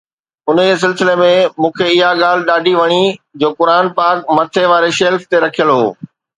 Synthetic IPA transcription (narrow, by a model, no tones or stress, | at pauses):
ʊnes̬ɪlsɪlemẽmũːkʰeɪɦaɠaːl̤ɪ̆ɗaːɖʱiʋɐɽ̃id͡ʑoːkʊɾaːnpaːkmɐt̪ʰeʋaːɾeʃeːlft̪eɾɐkʰijəlɦo̰ː